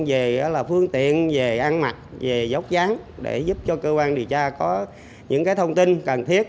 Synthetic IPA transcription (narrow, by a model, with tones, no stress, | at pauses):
ve˨˩˨laː˨˩fɨ˧əŋt̪ḭ˧˨ənve˨˩ʔa˧nma˨˩t̚ve˨˩zə˨˦w̚zaː˨˦nɗe˧˩zu˦˥p̚t͡ɕɔ˧kəː˧kwaː˧nɗi˨˩əwt͡ɕaː˧kɔ˨˦ | ɲɨ̰˧˥ŋkaː˨˦jt̪ʰə˧wŋ͡mt̪i˧nkə˨˩nt̪ʰi˦˥ət̚